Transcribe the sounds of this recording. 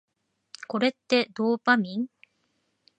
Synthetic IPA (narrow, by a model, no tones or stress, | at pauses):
ko̞ɾe̞t̪ːe̞d̪oːpamʲĩŋ